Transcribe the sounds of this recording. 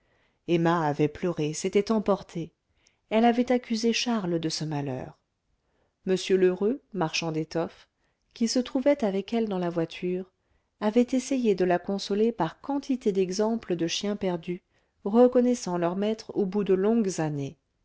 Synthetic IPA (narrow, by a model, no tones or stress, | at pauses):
ɛmaːvɛplœʁeset̪ɛt̪ɑ̃pɔʁt̪ʰe | ɛlavɛt̪akʲyzeʃaʁld̪əsəmalœ̰ːʁ | məsjøløʁømaʁʃɑ̃d̪et̪ɔf | kʲisət̪χuvɛt̪avɛkɛld̪ɑ̃lavwat̪ʰyʁ | avɛt̪esejed̪əlakɔ̃sɔlepaʁkɑ̃t̪ʰit̪ed̪ɛɡzɑ̃pləd̪əʃjɛ̃pɛʁd̪y | ʁəkɔnɛsɑ̃lœʁmɛt̪χobud̪əlɔ̃ɡzane